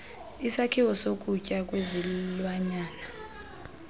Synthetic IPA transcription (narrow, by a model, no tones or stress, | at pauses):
isakʰiwɔsokʼucʼakʼwezilwaɲaːna